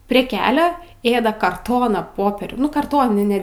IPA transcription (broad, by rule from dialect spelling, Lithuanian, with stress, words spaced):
pʲrʲiɛ ˈkʲæːlʲɛ ˈeːdɐ kɐrˈtoːnɑː ˈpoːpʲɛrʲuː kɐrˈtoːnʲɪnʲæː